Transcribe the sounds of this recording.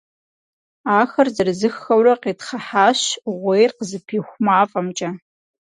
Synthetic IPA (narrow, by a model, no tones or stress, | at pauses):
aːxɐrzɐrɨzɨxːɐwrɐqeːtχɐħaːɕʁʷejrqəzɨpʰiːxʷʊmaːfʼɐmt͡ʃʼɐ